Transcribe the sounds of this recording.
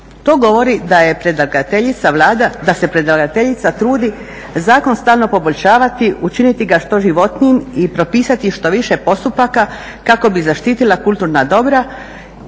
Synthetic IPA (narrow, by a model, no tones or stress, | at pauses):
t̪o̞ːɡo̞ʋo̞ɾid̪ajepɾed̪ɡat̪eʎit̪saad̪d̪asepɾe̞d̪aɡat̪e̞ʎit̪sat̪ɾuːd̪i | zaːko̞nst̪aːlno̞po̞bo̞ʎʃaːʋat̪iʔut͡ʃinit̪iɡaʃt̪o̞ʒiʋo̞t̪nijimipɾo̞piːsat̪iʃt̪o̞ʋiʃepo̞st̪upaka | kako̞bizaʃt̪iːt̪ilakult̪uɾnad̪o̞bɾa